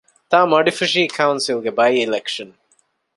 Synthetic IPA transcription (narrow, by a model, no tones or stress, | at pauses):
t̪aːmɐɖifiʃ̬iːkʰɐwunsilɡebɐjilekʃɐn